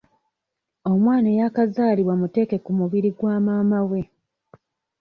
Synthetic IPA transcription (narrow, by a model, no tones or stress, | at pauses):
o̞mwaːnejakazaːliβwamute̞ːke̞kumuβiɾiɡwaːmaːmawe̞